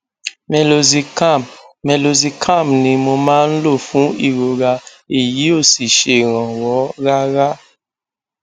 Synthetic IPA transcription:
mɛ˨lo˨zi˨ka˦˨mmɛ˨lo˨zi˧kʰã˦˨mnĩ˧mo˧mãː˦n̩˦lo˦˨fũ˦i˦˨ɾo˧ɾa˧ | e˦˨ji˨˦o˦˨si˨ʃe˨ɾ̃ã˨wɔ˨˦ɣa˦ɾa˦

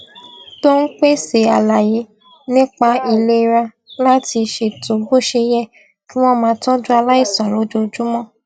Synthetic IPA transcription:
to˦n̩˦k͡pe˦se˨a˨la˨je˨˦ | nĩ˦k͡pa˧i˧le˦˧ɾa˧ | la˦ti˧ʃe˨to˨bo˦˨ʃe˧jɛ˦˨ | kĩ˦w̃ɔ̃˦mãː˧tɔ̃˦d͡ʒu˦a˧la˦i˦˨sɔ˨ɾo˨˦d͡ʒo˧d͡ʒu˦mɔ̃˦˨

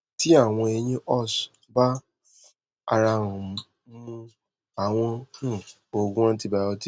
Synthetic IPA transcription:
ti˦a˦˨w̃ɔ̃˧e˧ɲĩ˦ʔɔ˦˨sba˦ | a̰˧ɾa˧ɾũ˨˦ | mũ˧ | a˨w̃ɔ̃˧hũ˦˨ | o˨ɡũ˦ã˦ti˦˧ba˨˧ɔ˧ti˦

